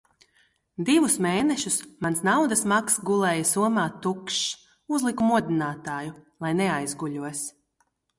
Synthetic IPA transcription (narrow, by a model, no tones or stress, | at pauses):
d̪ivusmeːnɛʃusmansnawd̪asmaksɡulˠɛːjasuɔmaːt̪ːukʃ | uzlˠikumuɔd̪ʲinaːt̪aːjulˠajnɛajzɡuʎʲuɔs